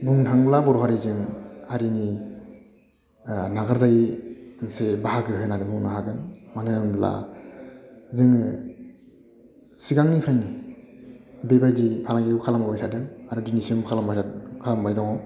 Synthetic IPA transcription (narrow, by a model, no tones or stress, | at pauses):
buŋtʰaŋblabɔɾɔhaɾizɯŋaɾini | naɡaɾzajnsebaɦaɡɯɦɯnaɾɯbuŋnaɦaɡɯnmanɯɯmla̰ | zɯŋɯ | siɡaŋnipʰɾaŋni | bebajdipʰalaŋɡiɡuwkʰalamɡajtʰadɯŋaɾɯdinisiɯmkʰalambajkʰalambajdɔŋɔ